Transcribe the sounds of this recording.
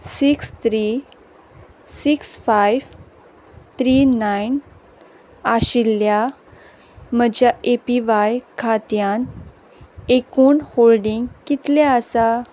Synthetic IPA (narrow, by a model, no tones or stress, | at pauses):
sikst̪ɾi | siksfajʋ | t̪ɾinajn | aɕilːja | məd͡ʑjaʔepiʋajkʰat̪jan | ekuːnholɖiŋɡkit̪leəsa